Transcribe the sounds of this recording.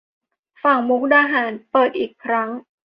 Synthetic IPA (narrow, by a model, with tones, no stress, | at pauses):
fa˨˩ŋmu˦˥k̚daː˧ɦaː˩˦npɤː˨˩t̪̚ʔiː˨˩kʰɾa˦˥ŋ